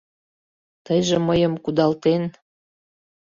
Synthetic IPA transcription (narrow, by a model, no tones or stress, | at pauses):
t̪əjʒeməjəmkud̪ɑlt̪en